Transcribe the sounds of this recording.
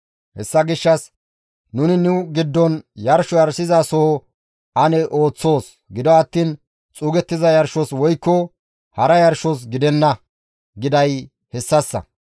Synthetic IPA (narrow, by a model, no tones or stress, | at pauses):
hɛ̰sːɐɡɪʃːɐs | nʊnɪnʊɡɪd̪ːɔnjɐɾʃɔjɐɾsɪzasɔhɔ | ɐnɛʔo̞ːt͡sːo̞ːs | ɡɪd̪ɔɐt̪ːiːn | t͡sʼuːɡɛt̪ːɪzɐjɐɾʃɔswɔjkːɔ | hɐɾɐjɐɾʃɔs̬ɡɪd̪ɛnːɐ | ɡɪd̪ɐj | hɛsːɐsːɐ̰